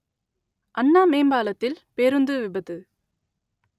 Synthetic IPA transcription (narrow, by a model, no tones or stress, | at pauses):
ʔɐnːaːmeːmbaːlɐt̪ːɪlpeːɾɯnd̪ɯʋɪbɐðɯ